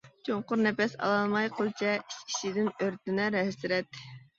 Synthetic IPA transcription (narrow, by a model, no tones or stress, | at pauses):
t͡ʃʰoɴqʊɾnɛpɛsɑ̰lˠɑlˠmɑjqʰəlˠt͡ʃʰɛit͡ʃkʲʰi̥ʃid̪ɪnøɾt̪ɪnɛɾɛɦsɪɾɛt̪ː